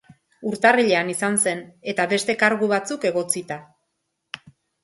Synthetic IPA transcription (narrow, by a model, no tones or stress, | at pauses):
uɾt̪ariʎeanisanse̞ne̞t̪aβe̞st̪e̞kaɾɣuβat͡suke̞ɣ̞o̞t͡sit̪a